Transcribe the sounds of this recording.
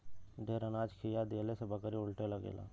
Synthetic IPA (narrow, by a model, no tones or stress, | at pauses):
d̪ʱeːɾənaːd͡ʒkʰiːjaːd̪eəlesebəkəɾiʊlʈeləɡḛːla̰ː